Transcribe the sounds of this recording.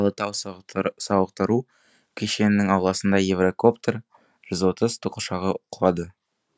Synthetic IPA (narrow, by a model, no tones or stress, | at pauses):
ɑlˠət̪ʰɑwsɑwəq̚t̪əɾu | kʲʰeʃe̞nɪnɪŋɑwlˠɑsənd̪ɑjevroko̞pt̪r | ʒ̥ɪzwo̞t̪əzt̪ʰuqəʃɑʁəqʰlˠɑd̪ə